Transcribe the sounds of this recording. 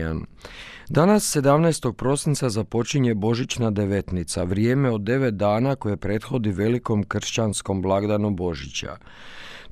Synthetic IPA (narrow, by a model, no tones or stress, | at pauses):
a̰nd̪anasːe̞d̪amneːst̪o̞ɡ̚pɾo̞sint̪sazapo̞t͡ʃiɲe̞bo̞ʒit͡ɕnad̪e̞ʋe̞t̪nit̪saʋɾje̞ːme̞o̞d̪ːe̞ʋet̪̚d̪aːnako̞je̞pɾe̞t̪xo̞d̪iʋe̞liko̞mkr̩ʃt͡ɕansko̞mblˠaɡd̪anubo̞ʒit͡ɕa̰